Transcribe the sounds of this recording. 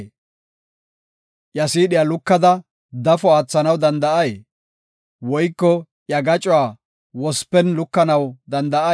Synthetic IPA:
ʔjɐsiːɗɪjalʊkːɐd̪ɐ | d̪ɐfɔaːt͡sːɐnɐwd̪ɐnd̪ɐʔɐje | wɔjkːɔ | jɐɡɐt͡ʃʼʊwaː | wɔspːɛnlʊkːɐnɐwd̪ɐnd̪ɐʔɐ

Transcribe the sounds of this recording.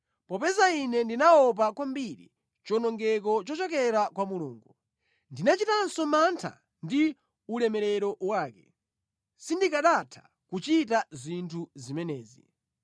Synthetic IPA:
pɔpɛzainɛndinaɔp̬akwambiɾḭ | t͡ʃɔnɔŋɡɛk̬ɔt͡ʃɔt͡ʃɔkɛɾakwamuluːŋɡu | ndinat͡ʃitansɔmantʰa̰ | ndi | ulɛmɛɾɛɾɔwaːkɛ | sindikaɗatʰḁ | kut͡ʃit̬azintʰuzimɛnɛːzḭ

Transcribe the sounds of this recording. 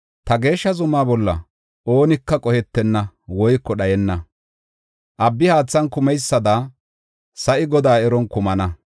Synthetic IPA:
t̪ɐɡe̞ːʃːɐzʊmaːbɔlːɐ̰ | ʔo̞ːnɪkːɐkʼɔhɛt̪ːɛnːɐwɔjkːɔɗɐjɛnːɐ | ʔɐbːɪhaːt͡sːɐnkʊmɛjsːɐd̪aː | sɐʔɪɡɔd̪aːɛɾɔnkʊmɐnɐ

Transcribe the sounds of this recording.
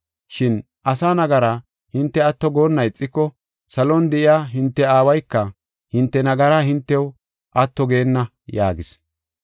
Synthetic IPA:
ʃɪn | ʔɐsaːnɐɡɐɾɐ | hɪnt̪ːɛɐt̪ːɔɡo̞ːnːɐjt͡sʼːɪkːɔ | sɐlɔnd̪ɛʔɪjaːɦɪnt̪ːɛaːwɐjkːɐ | hɪnt̪ːɛnɐɡɐɾahɪnt̪ːɛw | ʔɐt̪ːɔɡe̞ːnːɐ | ja̰ːɡɪs

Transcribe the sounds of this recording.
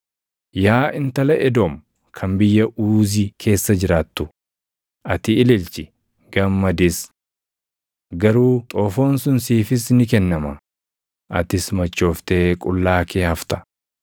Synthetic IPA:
jaːʔɪnt̪ɐlɐʔɛd̪oːm | kʰɐmbɪjːɐʔuːzikʰe̞ːsːɐd͡ʒɪɾaːt̪ːʊ | ʔɐt̪ɪɪlɪlt͡ʃɪ | ɡ̥ɐmːɐd̪ɪs | ɡɐɾuːt̪ʼoːfoːnsʊnsiːfɪsnɪkɛnːɐmɐ | ʔɐ̰t̪ɪsmɐt͡ʃːo̞ːft̪e̞ːkʼʊlːaːkʰeːhɐft̪ɐ̥

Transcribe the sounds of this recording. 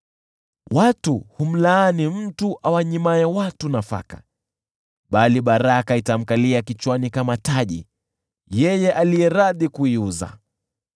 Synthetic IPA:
watuhum̩laːnim̩tuʔawaɲimaɛwatunafa̰ka | ɓaliɓaɾakaitam̩kaliakit͡ʃwanikamataʄḭ | jɛjɛʔalijɛɾaðikuiuza̰

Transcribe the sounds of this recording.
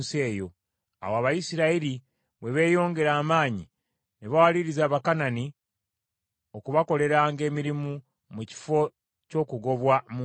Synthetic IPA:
se̞ːjo̞ | a̰woaβajisiɾaiɾi | βwe̞βe̞ːjo̞ːŋɡe̞ɾaːmaːɲi | neβawaliɾizaːβakanani | okuβako̞le̞ɾaːŋɡe̞ːmiɾimu | muci̥fo̞ | co̞ːkuɡo̞βwamu

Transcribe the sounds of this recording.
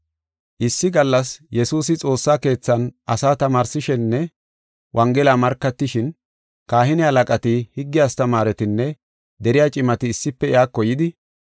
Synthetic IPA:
ʔɪsːɪɡɐlːɐsjɛsuːs̬ɪt͡sʼo̞ːsːaːke̞ːt͡sːɐnʔɐsaːt̪ɐmaːɾsɪʃɛnːɛ | wʔɐŋɡɛlaːmɐɾkːɐt̪ːɪʃɪn | kaːhɪnɪɐlɐkʼɐt̪ɪhɪɡːɪjaːst̪ɐmaːɾɛt̪ɪnːɛ | d̪ɛɾɪjaːt͡ʃʼɪmɐt̪ɪːsːɪpːɛɪaːkːɔjɪd̪ɪ

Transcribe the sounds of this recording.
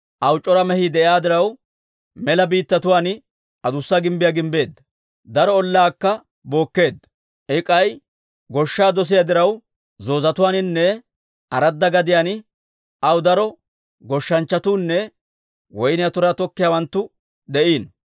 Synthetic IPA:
ʔɐwt͡ʃʼːɔɾɐmɛhid̪ɛʔɪjaːd̪ɪɾɐw | mɛlɐbiːt̪ːɐt̪ʊwaːn | ʔɐd̪ʊsːɐɡɪmbɪjaɡɪmbe̞ːd̪ːɐ | d̪ɐɾɔːlːaːkːɐ | bo̞ːkːe̞ːd̪ːɐ | ʔɪkʼɐj | ɡɔʃːaːd̪ɔs̬ɪjad̪ɪɾɐw | zo̞ːzɐt̪ʊwaːnɪnːɛ | ʔɐɾɐd̪ːɐɡɐd̪ɪjaːnɪ | ʔɐwd̪ɐɾɔ | ɡɔʃːɐnt͡ʃːɐt̪uːnːɛ | wɔjnɪjɐt̪ʊɾat̪ɔkːɪjaːwɐnt̪ːʊ | d̪ɛʔiːn

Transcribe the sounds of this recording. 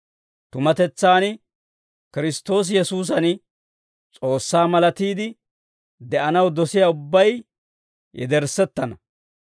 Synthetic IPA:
t̪ʊmɐt̪ɛt͡sːaːn | kɪɾɪst̪o̞ːs̬jɛsuːs̬ɐn | t͡sʼo̞ːsːaːmɐlɐt̪iːd̪ɪ | d̪ɛʔɐnɐwd̪ɔsɪjaːʊbːɐj | jɛ̰d̪ɛɾsɛt̪ːɐnɐ

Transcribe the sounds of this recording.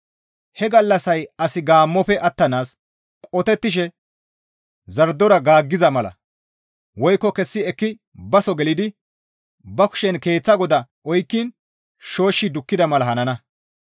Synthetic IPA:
hɛɡɐlːɐsɐjɐsɪɡaːmːɔpɛʔɐt̪ːɐnaːs | kʼɔt̪ɛt̪ːɪʃ̬ɛ | zɐɾd̪ːɔɾɐɡaːɡːɪzɐmɐlɐ̰ | wɔjkːɔkɛsːɪɛkːɪ | bɐsɔɡɛlɪd̪ɪ | bɐkʊ̥ʃɛnke̞ːt͡sːɐɡɔd̪ɐ | ɔjkːiːn | ʃo̞ːʃːɪd̪ʊkːɪd̪ɐmɐlɐɦɐnɐnɐ

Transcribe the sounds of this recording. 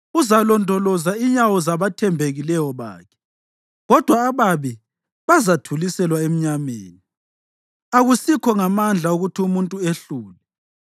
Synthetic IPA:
uzalɔndʱɔlɔzaiɲawɔzaβatʰɛmbʱeɣilɛjɔβa̰ːkʰɛ̥ | ɣɔd̥ʱwaːβaβi | βazatʰulisɛlwaem̩ɲamḛːni | aɣusikʰɔŋamand͡ɮʱauɣutʰiumuntʼueɬuːlɛ

